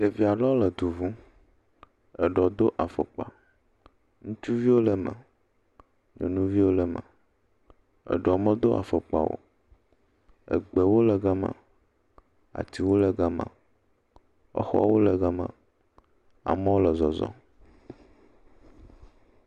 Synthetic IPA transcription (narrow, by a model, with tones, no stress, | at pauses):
te˨vi˨a˨ɖɔ˦lə˨d̪u˨vũ˦ | ɛ˨ɖɔ˨d̪o˦ʔa˨fə˨k͡pa̰˨ | ŋũ˦t͡ʃu˦vi˦wo˦lɛ˨mɛ̰̃˨ | ɲɔ̰̃˨nũ˦vi˦wo˦lɛ˨mə̰̃˨ | ə̰˨ɖɔ˨mə̃˦d̪o˦ʔa̰˨fə˨k͡pa̰˨wo̰˦ | ə̰˨ɡ͡bɛ˨wo˦lə˨ɡa˦mã̰˨ | a̰˨t̪i˨wo˦lə˨ɡa˦mã̰˨ | ɔ̰˦xɔ̰˦wo˦lə˨ɡa˨mã̰˨ | a̰˨mɛ̃˦wo˦lə˨zɔ˨zɔ̰˦